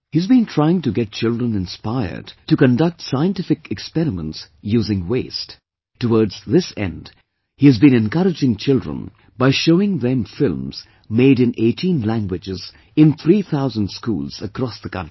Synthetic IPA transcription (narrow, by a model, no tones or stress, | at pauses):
hizbĩntʰɹ̥aɪɪ̃ŋtɨɡɛt̚t͡ʃɪlˠdɹə̃nɪ̃nspaɪə̰˞d̥tɨkə̃ndʌk̚tsaɪə̃ntɪfɪkɛkspɛɾɨmə̰̃ntsjuːzɪ̃ŋweɪst | tːəwɔɹdz̥ðɪsɛ̰̃nd | hiɨzbĩnɛ̃nkʌɾɨd͡ʒɪ̃ŋt͡ʃʰɪldɹə̰̃n | baɪʃoʊɪ̃ŋðɛ̃mfɪlˠmz̥ | meɪɾɨ̃nʔeɪtʰĩnlæ̃ŋɡwɪd͡ʒɪz | ɪ̃nθʰɾiθʰaʊzə̃ndskṵːlz̥əkʰɾɔsðəkʰʌ̰̃nti̥